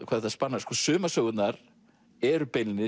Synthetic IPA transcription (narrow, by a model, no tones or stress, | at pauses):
kʰvaðθaðspanːaskʰvɔ̥sʏːmasœːɣʏt̪naɾ | ɛɾʏpejnɪnɪ